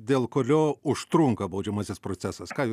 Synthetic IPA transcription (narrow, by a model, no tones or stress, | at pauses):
d̪ʲeːlˠkoːlʲoːʊʃt̪ɾuŋkɐbɐʊd͡ʒʲɛmɐsʲɪspɾoːt̪sʲæsɐskɑːj